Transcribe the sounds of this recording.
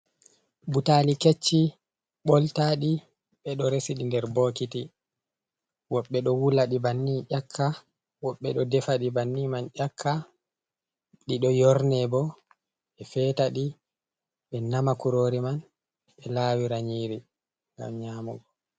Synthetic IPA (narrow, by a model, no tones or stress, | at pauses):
butaliket͡ʃːi | ɓɔltaɗi | ɓɛɗɔɾesiɗindɛɾboːkiti | wɔɓːɛɗɔwulaɗibanːiʔakʰːa | wɔɓːɛɗɔdɛfaɗibanːimanʔakʰːa | ɗiɗɔjɔɾnɛbɔ | ɛfɛːtaɗi | ɓɛnamakuɾoːɾiman | ɓɛlaːwiɾaɲiːɾi | ŋɡa̰mɲamɔ̰ɡɔ